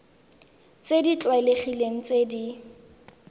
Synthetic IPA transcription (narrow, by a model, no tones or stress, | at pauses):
t͡sedit͡ɬwaleχileŋ̩t͡sedi